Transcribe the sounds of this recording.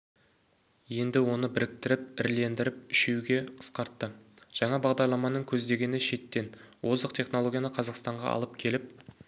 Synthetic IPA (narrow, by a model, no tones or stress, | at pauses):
je̞nd̪ɪwo̞nəbɪɾɪk̚t̪ɪɾɪp̚ɪɾle̞nd̪ɪɾɪp̚ʏʃewɡʲe̞qʰə̥sqɑɾt̪ːəʒ̥ɑɴɑbɑʁd̪ɑɾlˠɑmɑnəɴkʲʰɵzd̪e̞ɡʲe̞nɪʃe̞t̪ːe̞nwʔo̞zəqt̪ʲʰe̞χnolˠo̞ɡʲijanəqʰɑzɑqst̪ɑɴʁɑ̰ɑ̰lˠəp̚kʲʰe̞lɪp̚